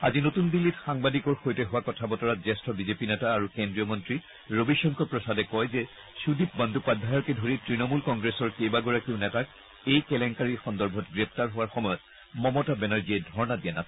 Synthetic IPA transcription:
azinotundilːitxaŋbadikɔɹxojtɛɦʊwakɔtʰabɔtɔɹatzɛstʰɔbizepinɛtaːɹukendɹijɔmɔntɹi | ɹobiʃɔŋkɔpɹɔsadɛkɔjzɛ | sudip̚bandʱupadʱajɔkɛdʱoɹitɹinɔmulkɔŋɡɹesɔɹkejbaɡɔɹakiʊnɛtak̚ | ejkɛlɛŋkaɹixɔndɔɹbʱɔtɡɹɛp̚ʰtaɹɦʊwaɹxɔmɔjɔt̚ | mɔmɔtabɛnaɹziɛdʱɔɹɔnadijanas

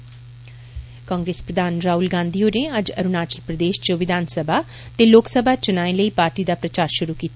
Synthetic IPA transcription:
kãːŋɡɾeːspɾəd̪aːnɾaːuːlɡãːnd̪ioːneːəd͡ʒəɾʊnaːt͡ʃəlpɾəd̪eːʃt͡ʃəʋɪd̪ʱaːnsəbʱaː | t̪eːloːksəbʱaːt͡ʃʊnaːẽləiːpaːɾʈiːd̪aːpɾət͡ʃaːɾʃʊɾuːkiːt̪a

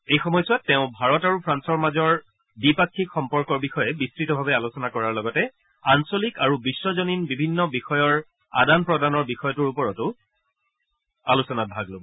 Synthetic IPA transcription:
ejxɔmɔjsʊatːɛʊ̃bʱaɹɔtaɹupʰɹansɔɹmazɔɹ | bipakʰːikxɔmpɔɹkɔɹbixɔjɛbistɹitɔbʱabɛalosɔnakɔɹaɹlɔɡɔtɛ | ansolikaɹubisːɔzɔninbibʱinːɔbixɔjɔɹ | a̰danpɹɔdanɔɹbixɔjɔtʊɹupɔɹɔtʊ | alusɔnat̚bʱaɡlobɔ

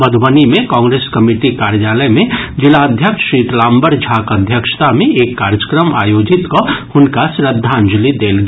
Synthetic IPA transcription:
bəd̪ʱbənimẽkãːŋɡɾeːskɐmiʈikaːɾjaːləjmẽd͡ʒɪlaəd̪ʱjəkʃʃiːt̪lãːmbəɾd͡ʒʱaːkəd̪ʱjəkʃt̪amẽʔeːkːaːɾjəkɾəma̰ːjoːd͡ʒɪt̪kohʊnkasɾəd̪ʱːand͡ʒʊlid̪eːlɡ

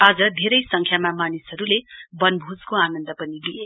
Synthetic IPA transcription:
ad͡zʌd̪ʱeɾʌjsʌŋkʰjamamanisɦʌɾulebʌnbʱud͡zkoanʌnd̪ʌpʌnilije

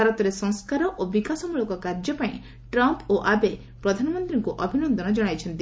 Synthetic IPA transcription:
aɾɔt̪ɔɾesɔ̃ŋskaɾɔʔobikasɔmulɔkɔkaɾd͡ʒɔpaĩ | ʈɾɔmpoʔabe | pɾɔd̪ʱanɔmɔnt̪ɾiŋkuʔɔbʱinɔnd̪ɔnɔd͡ʒɔɽ̃ajt͡ʃʰɔnt̪i

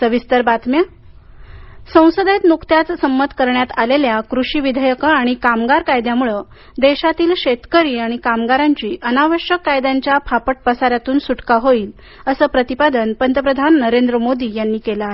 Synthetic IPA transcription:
səʋist̪əɾbat̪mja | sə̃w̃səd̪et̪mukt̪jat͡ssəmːət̪ʰkəɾɳjat̪aleljakɾuɕiːʋid̪ʱəjəkəaɽ̃ikamɡaɾkajd̪jamuɭə | d̪eɕat̪iːlɕet̪kəɾiːaɽ̃ikamɡaɾaɲt͡ɕiːʔənaʋəɕjəkːajd̪aɲt͡ɕjapʰapəʈ̚pəsaɾjat̪uːnsuʈkaɦoiːl | əsəːpɾət̪ipad̪ənpənt̪əp̬ɾəd̪ʱanːəɾend̪ɾəmod̪iːjanːiːkela

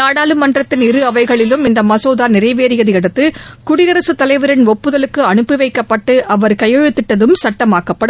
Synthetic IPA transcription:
aːɽaːlɯmɐndrɐt̪ːɪnɪɾɯɐʋɐɪɣɐɭɪlɯmɪnd̪ɐmɐsoːðaːnɪrɐɪʋeːɾɪjɐðɯɛɽɐt̪ːɯkʊɽɪɣɐɾɐsɯt̪ːɐlɐɪʋɯɾɐnɔpːɯðɐlɯkːɯɐɳɯpːɪʋɐɪkːɐpːɐʈːɯʔɐʋɐɾkɐjɐɻɯt̪ːɪʈːɐðɯmsɐʈːɐmaːkɐpːɐɽɯ

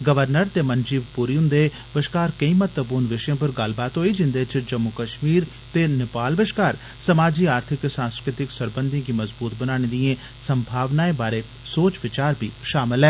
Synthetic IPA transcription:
ɡəʋəɾnəɾt̪eːmənd͡ʒiːʋpuːɾiːɦʊ̃nd̪eː | bəʃkaːɾkəĩːmət̪ːəbonʋɪʃjẽːp̬əɾɡəlbaːt̪ɦoːid͡ʒɪ̃nd̪eːt͡ʃd͡ʒəmːʊkəʃmiːɾ | t̪eːnɪpaːlbəʃkaːɾ | səmaːd͡ʒiːaːɾt̪ʰɪksãːnskɾɪt̪ɪksəɾbə̃nd̪ʱijãːkiməzbuːt̪bənaːɽ̃eːd̪iẽː | səmbʱaːʋnaːeːbaːɾeː | soːt͡ʃʋɪt͡ʃaːɾbʱiːʃaːmɪlɛː

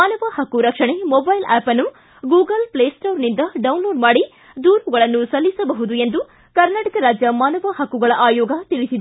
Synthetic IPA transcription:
maːnɐʋɐhɐkːuɾɐkʂɐɳemobɐjlæːpɐnːu | ɡuːɡɐlpleːsʈoːɾnind̪ɐɖɐwunloːɖmaːɽi | d̪uːɾuɡɐɭɐnːusɐlːisɐbɐɦud̪ue̞nd̪u | kɐɾnaːʈɐkɐɾaːd͡ʒjɐmaːnɐʋɐhɐkːuɡɐɭɐʔaːjɔːɡɐt̪iɭisid̪ɐ

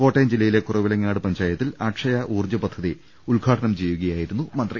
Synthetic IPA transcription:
ko̞ːʈːejmd͡ʑilːɐjile̞kurɐʋilɐŋːaːɽɨpɐɲd͡ʑaːjɐt̪ːilaːʈʂɐjɐʔuːrd͡ʑɐpɐd̪ʱʰɐði | uɭɡʱaːʈɐnɐmt͡ɕejːuɣɐjaːjiɾunːumɐnd̪ri

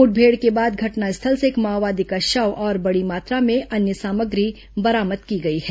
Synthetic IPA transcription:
ʊʈ̚bʱeːɽkebaːd̪̚ɡʱɐʈnaɪst̪ʰəlseːkmaːʋaːd̪ikaʃɐwʔɔːɾbɐɽimaːt̪ɾamẽʔɐnjəsaːməɡɾi | bɐɾaːməd̪kiɡɐiɦɛː

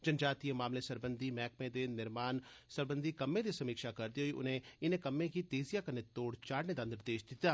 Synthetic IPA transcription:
d͡ʒənd͡ʒaːt̪iẽmaːmlesəɾbənd̪ʱiːmɛːk̚mẽd̪eːnɪɾmaːnsəɾbə̃nd̪ʱikɐmːẽd̪isɐmiːkʃakəɾd̪iɦoiʔʊ̰nɦẽɪnẽkəmːẽkit̪eːzijakəɾnet̪oːɽt͡ʃaːɽned̪ãːnd̪əɾd̪eːʃd̪ɪt̪aː

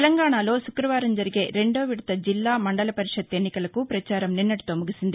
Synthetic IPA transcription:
tɛlɐŋɡaːɳalo̞ːʃukɾɐʋaːɾɐmd͡ʒɐɾiɡe̞ːɾe̞ɳɖo̞ːʋiɽɐt̪ɐd͡ʒilːaːmɐɳɖɐlɐpɐɾiʂɐd̪e̞nːikɐlɐkupɾɐt͡ʃaːɾɐmninːɐʈi̥t̪oːmuɡisind̪i

